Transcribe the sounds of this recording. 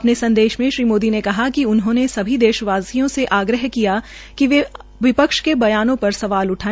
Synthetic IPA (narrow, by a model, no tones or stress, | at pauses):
ɐpnesɐ̃nd̪eːʃmẽʃɾiːmoːd̪inekɐɦakiʊnɦõnesɐbʱid̪eːʃəʋaːsijõseʔaːɡɾəɦkija | kiʋe | ʋɪpəkʃkebɐjaːnõpɐɾsɐʋaːlʊʈʰaːe